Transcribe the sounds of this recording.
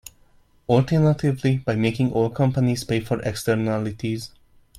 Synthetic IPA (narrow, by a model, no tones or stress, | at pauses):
ɔltʰəɹnatʰɪvlib̥aɪmekɪ̃ŋʔɔːlˠkʰʌ̃mpəniz̥peɪfɔɹʔɛ̰kstəɾnalɪtʰiz